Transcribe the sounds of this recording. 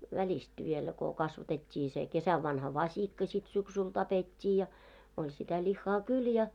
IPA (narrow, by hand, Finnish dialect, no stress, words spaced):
ʋælʲist ʋielæ ko kɑsʋɑtetʲːiː se kesæʋːɑnhɑ ʋɑsʲikːɑ sʲit syksyl tɑpetʲːiː jɑ olʲ sitæ lʲihːɑː kyl jɑ